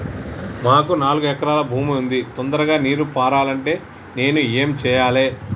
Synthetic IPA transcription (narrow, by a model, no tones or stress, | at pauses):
maːkunaːluɡuɛkɐɾaːlɐbʱuːmiund̪it̪ɔnd̪ɐɾɐɡaːniːɾupaːɾaːlɐɳʈe̞ː | ne̞ːnue̞ːmt͡ʃɛːjaːle̞ː